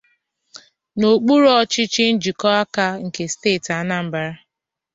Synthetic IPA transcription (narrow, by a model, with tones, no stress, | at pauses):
no˨k͡pu˦ɾɔ˦t͡ʃɪ˦t͡ʃɪ˦n̩˦d͡ʒi˨kɔ˦a˦ka˦ŋ̩˨ke˨steː˦˨ta˨na˦m̩˨ba˨ɾa˦